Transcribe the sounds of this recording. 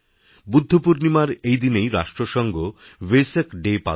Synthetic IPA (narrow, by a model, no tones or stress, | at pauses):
bud̪ʱːopuɾnimaɾejd̪inejɾa̰ʃʈɾoʃɔŋɡo | wesekɖepa̰